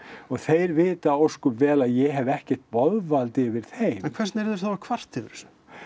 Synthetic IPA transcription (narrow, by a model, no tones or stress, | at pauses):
ɔɣθejɾvɪːt̪aowskʏvɛːlaðjɛɦɛvɛhcɛr̥t̪vɔðvalt̪ɪvɪɾ̥θejɛnkʰvɛrstnɛɾðʏɾ̥θaɾkʰvar̥t̪ɪvɾs